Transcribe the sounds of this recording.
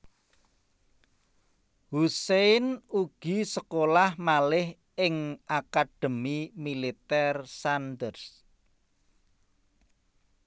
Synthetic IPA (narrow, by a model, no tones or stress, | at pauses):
huseɪnuɡ̥i̤səkolahmalɪh | ɪŋʔakad̪̥ə̤mimilit̪ɛrsand̪ərs